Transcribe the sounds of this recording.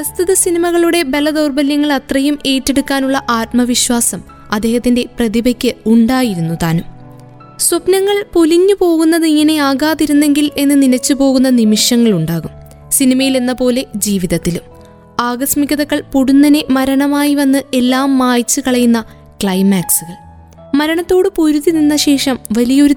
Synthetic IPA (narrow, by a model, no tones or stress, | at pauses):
ɐst̪iðɐsinimɐɣɐɭuɽe̞be̞lːɐd̪o̞ːrbɐljɐŋːɐɭɐt̪rɐjume̞ːʈːe̞ɽukːaːnuɭːɐʔaːt̪mɐʋiɕwaːsɐm | ɐd̪ːe̞ːhɐt̪ːinde̞prɐðibɐkʲːɨuɳɖaːjiɾunːut̪aːnum | swɐpnɐŋːɐɭpoliɲːɨpo̞ːɣunːɐðɨiŋːɐne̞aːɣaːðiɾunːe̞ŋɡile̞nːɨninɐt͡ɕːɨpo̞ːɣunːɐnimiʂɐŋːɐɭuɳɖaːɣum | sinimɐjile̞nːɐpo̞ːle̞d͡ʑiːʋiðɐt̪ːilum | aːɡɐsmikʲːɐðɐkːɐɭpoɽunːɐne̞mɐɾɐɳɐmaːjiʋɐnːɨe̞lːaːmːaːjt͡ɕːɨkɐɭɐjunːɐ | kɭɐjmːaːksuɣɐɭ | mɐɾɐɳɐt̪ːo̞ːɽɨpuɾuðininːɐɕe̞ːʂɐmʋɐlijɐo̞ɾu